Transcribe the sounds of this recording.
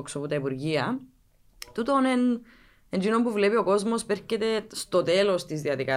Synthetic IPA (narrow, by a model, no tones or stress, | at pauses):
oksoput̪ɐipuɾʝiɐ | t̪ut̪onen | end͡ʒino̞mpuvlepio̞ko̞zmo̞speɾcet̪e̞st̪o̞t̪elo̞st̪izðiɐðikɐ